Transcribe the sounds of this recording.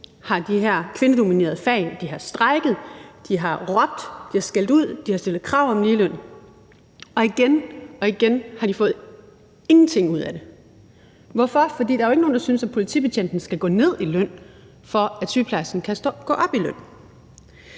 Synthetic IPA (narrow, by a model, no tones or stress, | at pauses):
hɑ̈d̥iɦeɐ̰kʰʋe̝nəd̥o̝mine̝̰ɐð̩ˠfɛɪld̥iɦɑ̈sd̥ʁɑɪɡ̥ð̞̩ˠd̥iɦɑ̈ʁɒ̽b̥̚d̥d̥ihɑ̈sɡ̥el̰d̥uð̞̰ˠd̥ihɑ̈sd̥e̝lð̩ˠkʰʁɑ̈ʊ̰ɒ̽mliːløn̰ | ɒ̽iɡ̥enɒ̽iɡ̥enhɑ̈d̥ifɔ̽ːð̩ˠ | e̝ŋn̩t͡sʰe̝ŋ̰uð̞̰ˠæd̥e̝ | ʋɒfɒ̽fɒdḭːd̥ɑ̈æoe̝ɡ̥əno̝ːn̩dɑsynsæpʰo̝lit͡sʰḭːpʰeɕʰen̰d̥n̩sɡ̥æɡ̥ɔ̰̽ːne̝ð̞̰ˠilœn̰ | fɒ̽æsypʰlæsn̩kʰæɡ̥ɔ̰̽ːʔɒ̽b̥iløn̰